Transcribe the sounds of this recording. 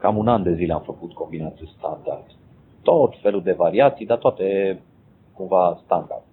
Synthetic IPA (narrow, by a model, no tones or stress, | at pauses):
kamunand̪e̞zileamfəkut̪ko̞mbinat̪est̪and̪a̰rd̪̥ | t̪o̞t̪fe̞lud̪e̞vaɾiat̪sijd̪at̪oat̪e | kumvast̪and̪a̰rd̪